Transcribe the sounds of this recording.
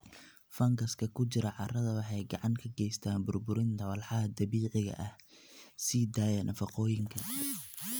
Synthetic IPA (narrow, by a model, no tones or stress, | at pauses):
fɐŋɡɐskʰɐkʰʊt͡ʃɪɾɐʕɑrɐðɐwɑħɑjɡɑʕɑŋkʰɐɡɛjst̪ʰaːnbʊrbʊɾɪnt̪ʰɐwɑlħɑɦɐd̪ɐβiːʕɪɣɐ̰ʔɐhsid̪aːjɐnʔɐfɑqɔːjɪŋkʰɐ